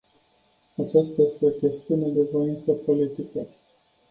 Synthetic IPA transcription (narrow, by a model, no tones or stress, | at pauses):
at͡ʃast̪aje̞st̪e̞okʲe̞st̪iuned̪e̞vo̞int̪səpo̞lit̪ikə